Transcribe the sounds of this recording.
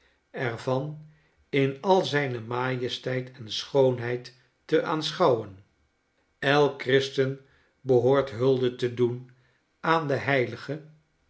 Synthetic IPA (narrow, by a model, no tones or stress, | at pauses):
ɛrvɑn | ɪnɑlˠzɛjnəmaːjəstɛjtʰɛnsχownɦɛjtː | əʔaːnsχɑwən | ɛlˠkrɪstən | bəɦoːɹtɦɵlˠdətədun | aːndəɦɛjləχə